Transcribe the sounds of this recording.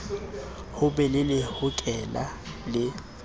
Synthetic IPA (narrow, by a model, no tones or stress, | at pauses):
hʊbɛlɪlɪhʊkʼɛlalɪ